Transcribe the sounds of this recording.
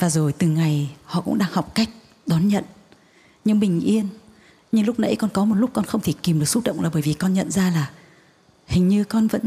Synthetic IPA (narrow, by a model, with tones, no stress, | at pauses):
vaː˨˩zo˨˩jt̪ɨ˨˩ŋa˨˩jhɔ̰˧˨kʊ̰˧˥ŋ͡mɗaː˧ŋha˨˩wk͡p̚ka˦˥jk̟̚ | ɗɔ˨˦nɲə̰˧˨n | ɲɨ˧ŋɓï˨˩ŋ̟ʔi˧ən | ɲɨ˧ŋlʊ˦˥k͡p̚nə̰˧˥jkɔ˧nkɔ˨˦mo˨˩t̚lʊ˦˥k͡p̚kɔ˧nxə˧wŋ͡mt̪ʰe˧˩ki˨˩mɗɨ˨ək̚su˦˥t̚ɗə̰˧˨wŋ͡mlːɓəː˧˩jvi˨˩kɔ˧nɲə̰˧˨nzaː˧laː˨˩ | hï˨˩ŋ̟ɲɨ˧kɔ˧nvə̰˧˥n